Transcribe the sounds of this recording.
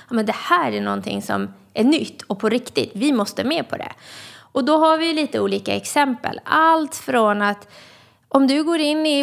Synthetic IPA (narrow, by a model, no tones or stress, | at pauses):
ɑmɛnd̪ɛhæːɾæɳɔnt̪ʰɪ̰ŋsɔ̰m | ʔæɳʏt̪ːɔpʰɔɾɪkt̪ɪ̰t̪vɪmɔst̪əmeːpʰɔd̪ɛ̰ɔd̪ɔɦaɾvɪjliːt̪əuːliːka̰ɛksɛmpə̰lalt̪fɾɔnat̪ | ʔɔmd̪ɵɡoːɾɪnːɪ